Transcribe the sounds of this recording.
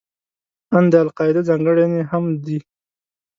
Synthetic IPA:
and̪əalqɑɪd̪azɑŋɡəɽeneɦamd̪i

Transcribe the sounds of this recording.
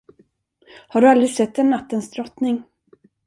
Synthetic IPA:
haɖɵald̪ɾɪɡsɛt̪ːɛnːat̪ːənsd̪ɾɔt̪nɪŋ

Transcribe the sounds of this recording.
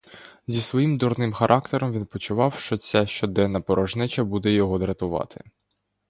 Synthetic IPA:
zʲisʋɔjimd̪ɔɾnɪmxɐɾʔɑkt̪eɾɔmʋinpɔt͡ʃʊʋɑwʃt͡ʃɔt͡sʲaʃt͡ʃɔd̪ɛnːɐpɔɾʔɔʒnɪt͡ʃɐbud̪ɛjɔɦɔd̪ɾɐt̪ʊʋɑ̰t̪ʰɪ

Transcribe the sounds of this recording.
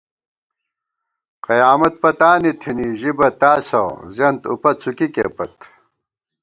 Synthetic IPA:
qɐjaːmɐt̪̚pɐt̪aːnit̪ʰiniʑibɐt̪aːsɐ̰zɐnt̪ṵpɐt͡sʰukikḛːpɐt̪

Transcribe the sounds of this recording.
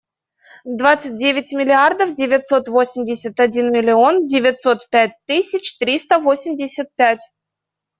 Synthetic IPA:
d̪vat̪sɨt̚ʲdʲevʲɪtʲmʲɪlʲɪard̪əfdʲɪvʲɪt̪sot̪vosʲɪmʲdʲɪsʲət̪ɐdʲinmʲɪlʲɪondʲɪvʲɪt̪ʲsot̪pʲætʲt̪ɨsʲɪt͡ɕt̪ɾʲist̪əvosʲɪmʲdʲɪsʲət̪̚pʲætʲ

